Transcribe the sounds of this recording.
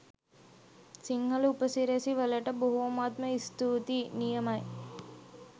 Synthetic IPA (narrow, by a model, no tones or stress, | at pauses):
siŋɡɐlupɐsiːɾeːsiʋɐleʈɐboɦuɐmaːt̪mɐist̪uːt̪inijɐmɐj